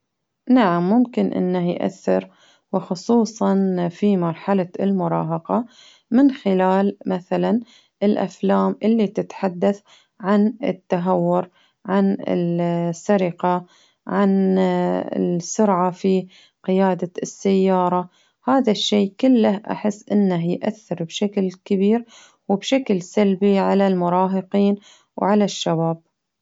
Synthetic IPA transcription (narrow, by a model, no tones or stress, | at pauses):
naʕamːʊmkɪnʔɪ̰nːahjʔa̰θːɪɾ | wɪxʊsˤuːsˤɑnfimɑɾˤħalaɪlmʊɾˤɑ̰ːɦɑqɑ | mɪnxɪlaːlmaθalan | ʔɪlʔa̰flaːmʔɪlːit̪ɪt̪ħad̪ːaθ | ʕanɪ̰t̪ːaɦawːʊɾ | ʕanɪ̰sːaɾɪqɑ | ʕan | ɪ̰sʊɾʕafi | qɪjaːd̪aɪsːajːɑːɾˤɑ | haːðaʃːeːkɪlːahʔa̰ħɪsːʔɪnːaɦjʔaθːɪɾbʃaklkɪbiːɾ | wɪbʃaklsalbiʕalalmʊɾˤɑːɦɪqiːn | wʕalaʃːabaːb̥̚